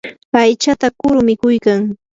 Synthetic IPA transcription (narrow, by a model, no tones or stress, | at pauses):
pajt͡ʃat̪akʊɾʊmɪkʊjkaŋ